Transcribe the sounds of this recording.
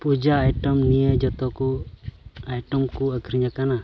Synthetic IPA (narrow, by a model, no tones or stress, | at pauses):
pud͡ʒaːjʈɔmnijəd͡ʒɔt̪ɔku | ajʈɔmkuəkʰɾiɲakana